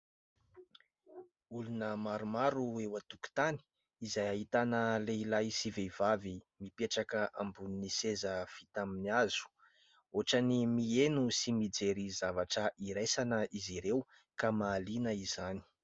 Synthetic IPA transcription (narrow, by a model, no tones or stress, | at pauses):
ulunəmaɾumaɾuewat̪uku̥t̪ani̥ | izajaɦit̪anəleilajsivevavimipeʈ͡ʂakəʔambuninisezəfi̥t̪aminiazu̥ | oʈ͡ʂanimienusimid͡zeɾizavaʈ͡ʂəʔiɾajsanəiziɾew | kamaːlinəizani̥